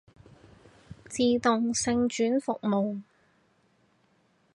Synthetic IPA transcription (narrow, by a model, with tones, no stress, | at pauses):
t͡siː˨t̪ʊ˨ŋsɪ˨˧ŋt͡ʃyː˨˥nfʊ˨k̚mo˨w